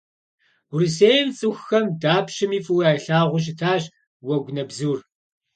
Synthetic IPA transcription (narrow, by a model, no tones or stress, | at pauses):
riseːjmt͡sʼɨxːɐmdaːpʃɪmiːfʼɨwaːɬaːʁʷʊɕ̬ɪtʰaːɕ | wɐɡʷnɐbzuːr